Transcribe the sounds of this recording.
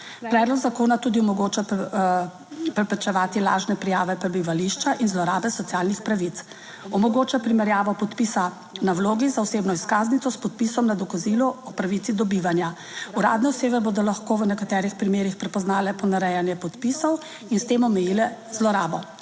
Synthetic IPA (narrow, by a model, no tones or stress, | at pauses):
pɾɛːd̪lɔɡzakoːnat̪uːd̪iɔmɔɡot͡ʃa | pɾɛpɾɛt͡ʃɛʋaːt̪ila̰ːʒnɛpɾijaːʋɛpɾɛbiʋaliʃt͡ʃaʔinzlɔɾaːbɛsɔt̪sijaːlnixpɾaʋit̪s | ɔmɔɡot͡ʃapɾimɛɾjaːʋɔpɔt̪pisa | nawloːɡizaɔseːbnɔiskaːznit̪ɔspɔt̪̚pisɔmnad̪ɔkazilɔɔpɾaʋit̪sid̪ɔbiʋanja | uɾa̰ːd̪nɛɔseːbɛboːd̪ɔlaxkoːʋənɛkat̪ɛːɾixpɾimeːɾixpɾɛpɔznaːlɛpɔnaɾɛjanjɛpɔt̪pisɔw | inst̪eːmɔmɛjilɛzlɔɾaːbɔ